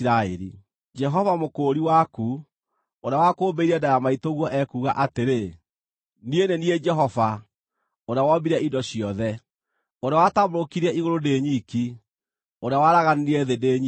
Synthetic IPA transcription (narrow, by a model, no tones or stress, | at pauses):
ɾaeɾḭ | d͡ʒɛɦɔvamokoːɾiwaku | oɾeawakoːmbeiɾɛdajamaitoɣwɔʔɛkuɣaʔateɾe | nienenied͡ʒɛɦɔva | oɾeawɔbiɾɛidɔɕijɔðɛ | oɾeawatamɾokiɾɛiɣoɾodeɲiki | oɾeawaɾaɣaniniɛðedeɲ